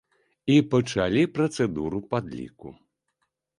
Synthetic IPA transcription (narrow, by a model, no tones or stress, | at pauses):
ipɐt͡ʂalʲipɾɐt̪sɛd̪uɾupad̪lʲḭkṵ